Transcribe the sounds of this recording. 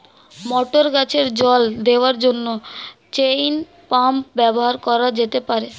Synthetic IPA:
mɔʈoɾɡat͡ɕeɾd͡ʑɔld̪eoaɾd͡ʑonːot͡ɕejn | pampbɛboɦaɾkɔɾad͡ʑet̪epaɾe

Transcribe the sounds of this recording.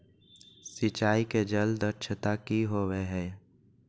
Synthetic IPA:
sɪt͡ʃaːiked͡ʒəld̪əɾt͡ʃʰət̪akiɦoweɦɛː

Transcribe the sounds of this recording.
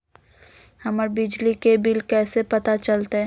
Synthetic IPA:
hɐməɾbɪd͡ʒlikebɪlkɛːsepɐt̪at͡ʃɐlt̪eɦ

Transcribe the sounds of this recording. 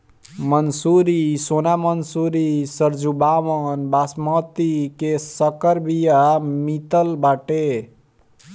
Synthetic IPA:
mənsuɾisonamənsuɾisəɾd͡ʒubaʋənbasmət̪ikesəkəɾbijamit̪əlbaʈe

